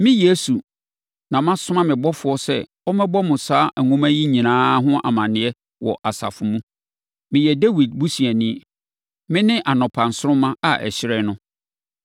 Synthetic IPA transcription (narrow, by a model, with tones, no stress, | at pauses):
mɪ̃˦je˦su˨ | nã˨mã˦sʊ̃˦mã˦mɪ̃˨bɔ˦fʊ˨ɔ˦sɛ̰˦˨ | ɔ˦mɛ̃˦bɔ˦mʊ̃˨saː˦ʔæ˨ŋũ˦mã˦ji˦ɲĩ˨nãː˦ɦʊ̃˦ʔa̰˨mã˨nɪ̃˨ɛ˦ | wɔ̰˨ʔa˨sa̰˨fʊ˨mũ˦ | mɪ̃˨jɛ˨de˦wi˨d̚bu˦si˨æ˨nĩ˦˨ | mɪ̃˦nɪ̃˦ʔa˨nɔ̃˨pʰã˨n˨sʊ˦ɾʊ̃˦mã˦a˨ʔɛ̰˨ɕɪ˦ɾɛ˦nʊ̃˦